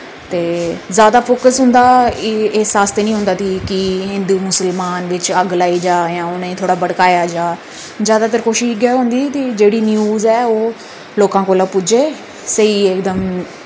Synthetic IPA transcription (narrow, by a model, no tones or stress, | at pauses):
t̪eːzjaːd̪afoːkəsɦʊ̃ːnd̪aieɦsaːst̪enĩːɦʊ̃ːnd̪at̪ʰikiɦɪ̃nd̪umʊsəlmaːnʋɪt͡ʃɐɡlaːid͡ʒaːjãːʊnẽt̪ʰoːɽabɐɽkaːjad͡ʒaː | zjaːd̪at̪̬əɾkoːʃɪɡəɦũːnd̪it̪id͡ʒeːɽinjuːzɛːo | loːkãkolapʊd͡ʒʱe | sɐiek̚d̪əm